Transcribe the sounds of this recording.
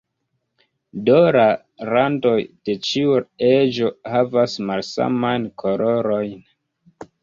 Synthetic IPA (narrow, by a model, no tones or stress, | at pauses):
doɾa | ɾando̞jd̥e̞t͡ʃiued͡ʒo̞havasmalsa̰majnkʰoloɾo̞jn